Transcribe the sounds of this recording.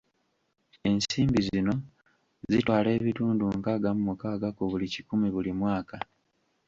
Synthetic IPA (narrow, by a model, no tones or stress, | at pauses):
e̞nsiːmbizino̞ | zitwaːle̞ːβituːnduŋkaːɡamumukaːɡakuβulicikumiβulimwaːka